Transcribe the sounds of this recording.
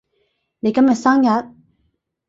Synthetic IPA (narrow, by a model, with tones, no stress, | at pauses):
le˨kɐ˥˦mjɐ˨t̪saː˥ŋjɐ˨˧˥t̪̚